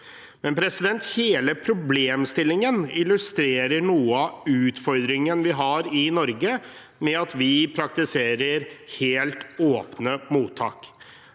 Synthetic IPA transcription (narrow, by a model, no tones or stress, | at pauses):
mɛnpʰɾɛsɪd̪ɛnt̪heːləpʰɾʊbleːmst̪ɪlːɪŋənɪlʉst̪ɾeːɾəɳuːəɑʉːt̪fɔɾd̪ɾɪŋənʋɪɦɑɾɪnɔɾɡə | mɛɑt̪ʋɪpʰɾɑk̚t̪ɪseːɾəɾheːlt̪oːpnəmuːt̪ʰːɑ̰ːk